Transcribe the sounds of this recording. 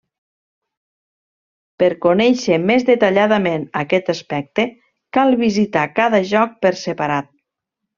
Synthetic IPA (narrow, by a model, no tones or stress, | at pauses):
pəɾkonɛʃemezðet̪aʎaðəmenəkɛt̪əspɛk̚t̪e | kalˠβizit̪akaðəʒɔk̚pəɾsepaɾat̪̚